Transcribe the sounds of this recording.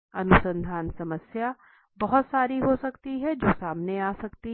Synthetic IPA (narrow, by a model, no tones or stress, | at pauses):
ɐnʊsə̃nd̪ʱaːnsɐməsja | bɐɦʊt̪saːɾiɦosɐkt̪iɦɛd͡ʒoːsaːmneaːsɐkt̪i